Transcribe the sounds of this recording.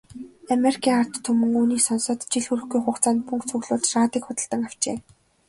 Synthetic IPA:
ameɾikʰiːŋar̥t̪ʰːɵmɵ̆ŋuːniːsɔnsɔ̆ːt̪t͡ɕiɮxuɾɵ̆xɡujχʊkt͡saːnt̪pɵŋkt͡sʰɵɣɮʊːɮt͡ɕraːt̪iːkχʊt̪ə̆ɮt̪ə̆ŋaw̥t͡ɕḛː

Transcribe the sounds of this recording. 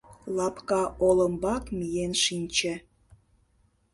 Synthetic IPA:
lɑpkɑʔoləmbɑkmijenʃinʲt͡ɕĕ

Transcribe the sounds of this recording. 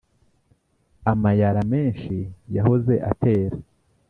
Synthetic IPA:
amajaɾame̞ːnʃijahoze̞ʔa̰tʰe̞ːɾa

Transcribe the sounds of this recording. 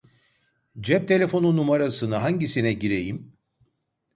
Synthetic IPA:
d͡ʒɛp̚t̪ʰe̞lʲe̞fo̞nunumaɾasɯnɯɦaɲɟisinɛɟiɾe̞jim

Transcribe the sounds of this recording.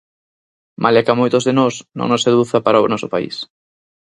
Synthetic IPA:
mʔalɛkamojt̪ozðenɔsnõ̰ŋnoseðuθapaɾaonɔsʊpaḭs

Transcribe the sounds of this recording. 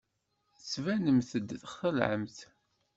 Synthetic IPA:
svænəmθəd̪ːθχθəlʕə̰mθ

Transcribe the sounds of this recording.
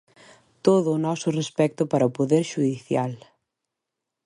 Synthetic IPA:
t̪oðʊːnɔsʊrespɛk̚t̪ʊpaɾɐʊpoðeɾʃuðiθjal

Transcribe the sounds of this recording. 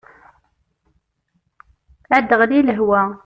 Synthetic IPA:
ʕæd̪ːəʁliləɦwæ

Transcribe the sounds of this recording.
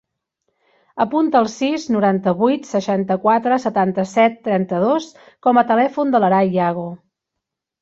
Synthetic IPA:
əpunt̪əːlˠsiznuɾant̪əβujt̪səʃant̪əkwat̪ɾəsət̪ant̪əsɛt̪ːɾɛnt̪əðos | kɔmət̪əlɛfund̪ələɾajaɣo

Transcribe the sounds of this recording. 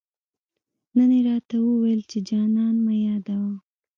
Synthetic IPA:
nəneɾɑt̪awəwejlt͡ʃed͡ʒɑnɑnmajɑd̪awa

